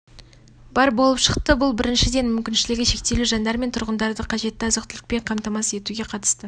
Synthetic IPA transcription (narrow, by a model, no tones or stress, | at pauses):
bɑɾbo̞lˠəpʃəqt̪əbʊlˠbɪɾɪnʃɪd̪e̞nmʏmkʲɪnʃɪlɪɡʲɪʃe̞k̚t̪e̞luʒɑnd̪ɑɾme̞nt̪ʰʊɾʁənd̪ɑɾd̪əqʰɑʒe̞t̪ːɪɑzəqt̪ʰɪlɪ̥k̚pe̞ɴqʰɑmt̪ɑmɑse̞t̪uɡʲe̞qʰɑt̪ə̥st̪ə